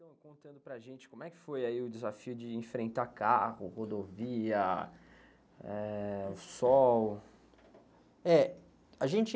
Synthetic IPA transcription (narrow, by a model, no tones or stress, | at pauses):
t̪ɐ̃w̃kõt̪ɐ̃nd̪ʊpɾɐʒẽnt͡ʃɪ̥kõmʊɛkɪ̥fojaiʊd͡ʒɪzafiʊd͡ʒɪẽfɾẽnt̪akahʊhod̪oviɐ | ɛʊsɔw | ɛ | aʒẽt͡ʃɪ